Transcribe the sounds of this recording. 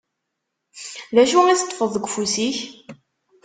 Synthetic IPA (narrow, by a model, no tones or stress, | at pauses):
ðæʃuiθt̪ːˤfəðˤːəɡʷfusiç